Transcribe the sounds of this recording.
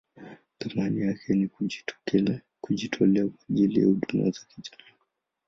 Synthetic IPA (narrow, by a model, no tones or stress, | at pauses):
θamanijakʰɛni | kud͡ʒitʰɔlɛakwaʄilḭja̰uɗumḭazakiʄala